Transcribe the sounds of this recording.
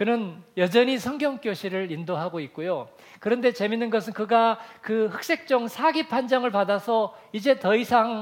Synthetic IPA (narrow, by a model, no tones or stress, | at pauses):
kɯnɯnjʌd͡ʑʌɲisʰʌŋɡjʌŋk͈joɕʰiɾɯɾindoɦaɡoik̚k͈ojo | kɯɾʌnde̞t͡ɕe̞minːɯnɡʌsʰɯnkɯɡakɯhɯk̚s͈e̞k̚t͡ɕ͈ʌŋsʰaɡipʰand͡ʑaŋɯɭpadasʰʌid͡ʑe̞tʌisʰaŋ